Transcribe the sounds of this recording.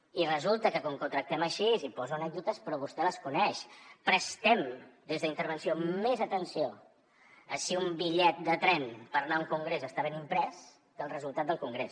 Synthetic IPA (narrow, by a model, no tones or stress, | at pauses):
irəzulˠt̪əkəkuŋkut̪ɾək̚t̪ɛməʃizipɔzuənɛɡ̚d̪ut̪əspɾɔβust̪ɛləskunɛʃpɾəst̪ɛmd̪ezðəint̪əɾβ̞ənsiomezət̪ənsio | əsiumbiʎɛt̪̚d̪ət̪ɾɛnpəɾnauŋkuŋɡɾezəst̪aβ̞enimpɾɛz | k̪əlˠrəzulˠt̪at̪̚d̪əlˠkuŋɡɾes